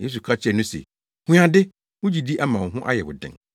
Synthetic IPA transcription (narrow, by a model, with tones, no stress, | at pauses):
jḛ˦s̬u˨kʰa˦t͡ɕʰɪ˦ɛ˨nʊ̃˦sḛ˨ | hũ˦ã˨dɪ˦ | wʊ̃˦d͡ʑi˨di˦ʔa˦mã˨ɦʊ̃˦ʔa̰˦jɛ˨wʊ̰˨dɪ̰̃˨ŋ